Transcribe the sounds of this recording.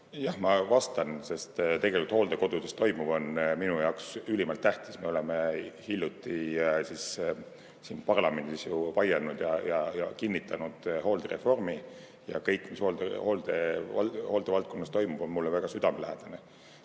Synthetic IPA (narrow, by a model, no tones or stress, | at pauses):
jɑhmɑvɑst̪ɑnse̞st̪t̪e̞ɡ̥e̞likult̪hoːld̪e̞ko̞d̪̥ud̪̥est̪o̞jmuv̥o̞nminujɑoksylʲimɑlt̪ːæht̪i̥sme̞o̞le̞mehilʲjut̪ːˑisis | siːnpɑrlɑme̞nd̪̥isjuvɑjenud̪̥jɑjɑjɑkinːit̪ːˑɑnud̪̥ho̞ːld̪ere̞fo̞rmi | jɑ̰kɤjkːˑmishoːld̪ehoːld̪̥eɑho̞ːld̪̥evɑlt̪̚ko̞nːɑst̪o̞jmub̥o̞nmulːevæɡ̥ɑsyd̪̥ɑmelæɦæd̪̥ɑne